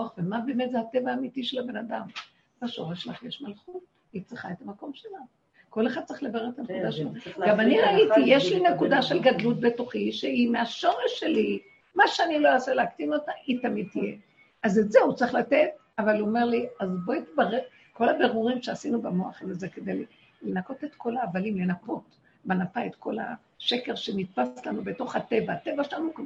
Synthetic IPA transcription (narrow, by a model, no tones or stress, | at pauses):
oaχvemabe̞ːmet̪zehat̪evaːmitiʃelabenadam | baʃo̞̰ʁeʃelaχjeʃmalχut̚ | it͡sʁiχaethamako̞mʃelan | ko̞lexχad̚t͡sʁiχlebaʁeet̪anekud̪aʃelaɡamaniʁait̪ijeʃlinekud̪aʃelɡadlut̚be̞toχiʃeimeaʃo̞ʁeʃːe̞li | maʃeanilo̞aseleakt̪inotaʔit̪amid̪̚t̪ije | azetzeut͡sʁiχlate̞t̚ | avaluome̞ʁliazbo̞it̪baʁeʁ | ko̞labe̞ʁuʁimʃeasinubemo̞aχazezeked̪ejli | lenako̞te̞t̪ko̞laːvalimle̞napo̞t | banapaetko̞la̰ | ʃe̞ke̞ʁʃe̞nit̪̚paslanube̞to̞χhatevaːte̞vaʃelanuk